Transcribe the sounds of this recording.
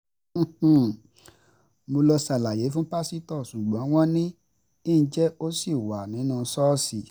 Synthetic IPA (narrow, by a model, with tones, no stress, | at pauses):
h̩˨ | mo˧lɔ˧sa˨la˨je˨˦fũ˦pa˦si˦tɔ˦˨su˨ɡ͡bɔ̃˨˦w̃ɔ̃˦nĩ˦ | ĩ˦˨˦d͡ʒɛ˦o˦si˦˨wa˨nĩ˨˦nũː˦˧˨sɔː˦si˦˨